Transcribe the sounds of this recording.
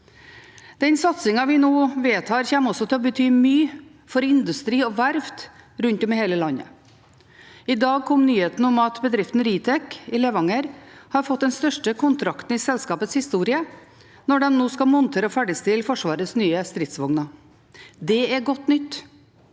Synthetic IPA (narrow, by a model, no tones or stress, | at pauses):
d̪̥ɛnsɑt̪sɪŋɑʋɪnoːʋeːt̪hɑːɾçæːmɔsɔt̪ʰɪɔbət̪ʰyːmyː | fɔɾɪnd̪ʉst̪ɾiːɔʋæɾft̪ɾʉnt̪ɔmheːləlɑnːə̰ | ɪd̪ɑːɡ̚kʰɔmnyːheːt̪n̩ɔmɑt̪bəd̪ɾɪft̪nɾiːt̪ʰɛkɪlɛʋɑŋəɾhɑɾfɔt̪̚d̪ɛnst̪œʂʈəkʰʊnt̪ʰɾɑkt̪n̩ɪsɛlskɑːpət̪shɪst̪uːɾɪə | nɔɖɛnnoːskɑlmɔnt̪ʰeːɾəɔfæɖɪst̪ɪlfɔʂʋɑːɾəsnyːəst̪ɾɪt̪sʋɔŋnɑ | d̪ɛæɾɡɔt̪ːnʏt̪ː